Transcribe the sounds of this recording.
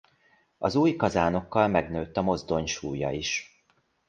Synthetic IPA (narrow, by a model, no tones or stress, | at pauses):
ɒzuːjkɒzaːnokːɒlmɛɡnøːt̪ːɒmo̞zd̪o̞ɲʃuːjɒ̰iʃ